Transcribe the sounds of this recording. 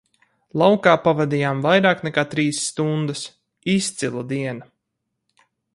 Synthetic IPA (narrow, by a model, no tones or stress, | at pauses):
lˠawkaːpavɛd̪iːjaːmvajɾaːknɛkaːt̪ɾiːsːt̪und̪əs | ist̪silˠad̪iɛna